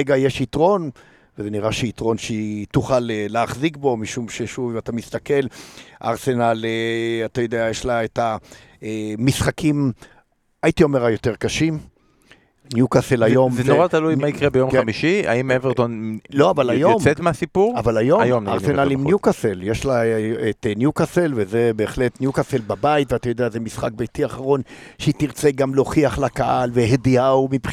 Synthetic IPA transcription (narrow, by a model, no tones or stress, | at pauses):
eɡajeʃitʁo̞n | vezeniʁaʃeitʁo̞nʃet̪uχaleːeaχzikbo̞miʃumʃeʃuviatamist̪ake̞la̰ʁse̞naleat̪ajo̞d̪eajeʃlaeta | eːisχakim | ajit̪io̞meʁajo̞t̪e̞ʁkaʃim | njukaselajo̞mzeoʁat̪alujmaikʁebejo̞mkamiʃia̰imeveʁt̪onlo̞avalajomset̪measipuʁavalajo̞amjomnaʁsenalimnjukaseljeʃlaetnjukaselveze̞be̞ːχle̞tnjukaselbabait̪veatajo̞d̪eazemisχa̰k̚bejtiaχaʁo̞nʃeitiʁt͡seɡamlo̞χiaχlakaʔalvehediaumip